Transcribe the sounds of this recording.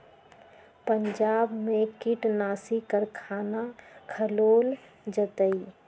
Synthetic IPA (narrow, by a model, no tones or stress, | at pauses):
pəɲd͡ʒaːbmẽkiʈnaːsikəɾkʰaːnakʰəloːl | d͡ʒət̪əi